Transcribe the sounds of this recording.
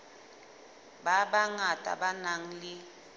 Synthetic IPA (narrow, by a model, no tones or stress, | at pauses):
baɓaŋatʼa̰ɓanaŋ̩lɪ